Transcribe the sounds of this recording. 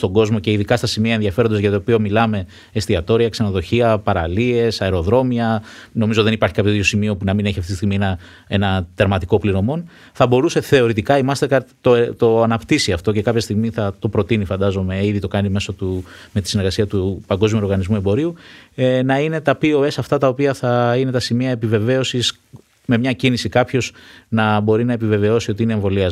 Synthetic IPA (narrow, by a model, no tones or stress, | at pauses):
st̪o̞ŋɡo̞zmo̞ce̞iðikɐst̪ɐsimiɐenðiɐfe̞ɾnd̪ɐzʝɐt̪oːpio̞milɐme̞ | est̪iɐt̪o̞ɾiɐksenoðo̞çiɐpɐɾɐlie̞sɐeɾo̞ðɾo̞miɐno̞mizoiðe̞nipɐɾçikɐpçoiðjosimio̞punɐmine̞çiɐft̪it̪siɣminɐ | e̞nɐt̪e̞ɾmɐt̪iko̞pliɾo̞mo̞n | θɐbo̞ɾuse̞θe̞o̞ɾit̪ikɐimɐst̪eɾkɐɾt̪t̪ot̪o̞ɐnɐpt̪isiɐft̪o̞ce̞kɐpçɐst̪iɣmiθɐt̪o̞pɾo̞t̪inifɐnd̪ɐzo̞me̞iðit̪o̞kɐnime̞sot̪ume̞t̪isine̞ɾɣɐsiɐt̪upɐŋɡo̞zmiouoɾɣɐnizmue̞mbo̞ɾiu | nɐine̞t̪ɐpio̞e̞sɐft̪ɐt̪ɐo̞piɐθɐine̞t̪ɐsimiɐepive̞ve̞o̞sis | me̞mɲɐcinisikɐpço̞znɐbo̞ɾinɐe̞pive̞ve̞o̞siot̪iine̞ːɱvo̞liɐz